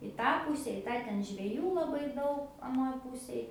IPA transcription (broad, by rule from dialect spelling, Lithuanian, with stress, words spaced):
ɪ ˈtɑː ˈpʊsʲɛ ɪ ˈtɑː ˈtʲɛn ʒʲʋʲɛˈjuː lˠɐˈbɐɪ ˈdɐʊk ɐˈnoːj ˈpʊsʲeːj